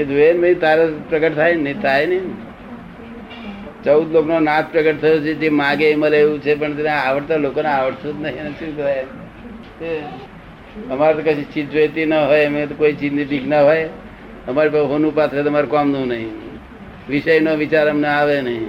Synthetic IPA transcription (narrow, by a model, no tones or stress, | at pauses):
ed̪enbəĩt̪aɾepɾəɡəʈt̪ʰajnĩt̪ʰajnəi | t͡ʃəʊd̪loknonat̪ʰpɾəɡəʈt̪ʰəjot͡ʃʰed͡ʒemãɡeməleeʋũt͡ʃʰep̬əɳt̪əneaʋəʈt̪alokoneaʋəʈt̪ut̪nəɦĩnet͡ʃũkt̪ʰaj | e | əmaɾet̪okəʃĩt͡ʃit̪ʋet̪inəɦojmet̪okoit͡ʃit̪nibʱiknaɦoj | əmaɾipaɦonupat̪ʰɾet̪ːmaɾukɔmd̪ũnəɦĩ | ʋɪʃəjnoʋɪt͡ʃaɾəmneaʋenəɦĩ